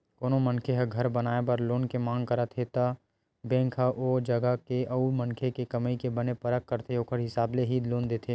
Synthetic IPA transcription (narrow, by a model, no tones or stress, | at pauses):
koːnomɐnkʰeɦɐɡʱɐɾbɐnaːepəɾloːnkemãːŋɡkɐɾat̪ʰet̪a | bɛ̃ːŋkʰaʔoːd͡ʒɐɡakeʔɐumɐnkʰekekɐməikebɐnepɐɾəkːɐɾt̪ʰeoːkʰəɾɦɪsaːbleɦid̪loːnd̪eːt̪ʰeː